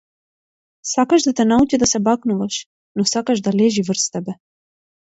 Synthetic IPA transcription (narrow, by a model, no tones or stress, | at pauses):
sakaʒd̪at̪ɛnaut͡ʃid̪asɛbaknuvaʃ | nɔsakaʒd̪alɛʒivr̩st̪ɛbɛ